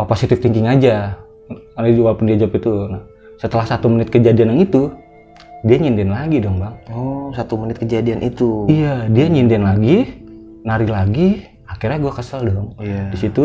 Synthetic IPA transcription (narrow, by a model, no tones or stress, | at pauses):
aposit̪ɪft̪iŋkɪŋad͡ʒa | and͡ʒwalapʊndiad͡ʒapit̪una | sət̪əlahsat̪umənɪt̪̚kəd͡ʒadianaŋit̪u | diaɲindɛnlaɡidɔŋbaŋɔsat̪umənɪt̪̚kəd͡ʒadianʔit̪uijadiaɲindɛnlaɡi | naɾilaɡi | akirɲaɡuakəsaldɔŋdisit̪u